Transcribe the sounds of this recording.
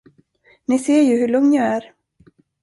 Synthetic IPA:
nɪseːɾjɵɦɵɭɵŋnjɑæɾ

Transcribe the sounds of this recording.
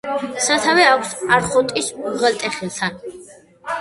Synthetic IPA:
sat̪ʰavɛakʷʰsaɾχɔnt̪ʼisuʁɛlt̪ʼɛχilˠt̪ʰan

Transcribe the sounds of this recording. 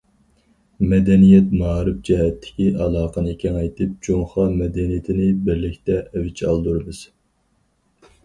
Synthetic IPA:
mɛd̪ɛnijɛt̪mɑːɾɨfd͡ʒɛɦɛt̪ʰːɪ̥kʲiʔɑlˠɑːqənɨkʲʰɛŋɑjt̪ʰɨp̚d͡ʒoŋχɑmɛd̪ɛnijɪt̪ʰɪnɪbɪɾlɪkʲt̪ɛʔɛwɪt͡ʃʰɑlˠd̪uɾɨmɨz̥

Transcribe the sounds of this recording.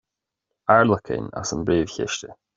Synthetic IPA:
aɹlˠʊkʰɪ̰̃ŋə̰sə̃mbɹeːv̥çɪ̰ʃtɪ

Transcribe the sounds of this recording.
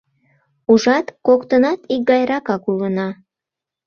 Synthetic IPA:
uʒɑt̪kokt̪ənɑt̪ik̚ɡɑjɾɑkɑkulənɑ

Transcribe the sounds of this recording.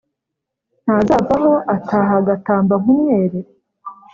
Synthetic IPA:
n̥hazaːvaɦo̞ʔatʰaːɦaɡataːmbaŋumɲeːɾe

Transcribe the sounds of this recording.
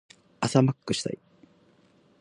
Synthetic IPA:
asamakːɯ̟ɕi̥t̪a̰i

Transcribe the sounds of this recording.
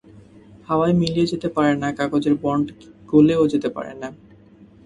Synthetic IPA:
haajmilijed͡ʑet̪epaɾenakakod͡ʑeɾbɔɳɖɡ̥oleod͡ʑet̪epa̰ɾḛna

